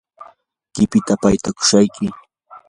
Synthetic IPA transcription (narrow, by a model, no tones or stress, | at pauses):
kɪpɪt̪apajt̪akʊ̥ʃajkɪ